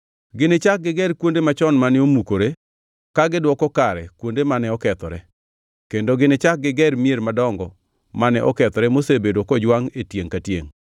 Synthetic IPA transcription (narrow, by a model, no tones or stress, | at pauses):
ɡɪnɪt͡ʃak̚ɡɪɡɛɾkwondemat͡ʃɔnmanɪomukoɾe | kaɡɪdwɔkɔkaɾɛkwondemanɛɔkɛt̪ɔ̰ɾɛ | kendoɡɪnɪt͡ʃak̚ɡɪɡɛɾmieɾmadɔŋɡɔ | manɛʔɔkɛt̪ɔɾɛmosebedokɔd͡ʒwaŋetjeŋkatjḛŋ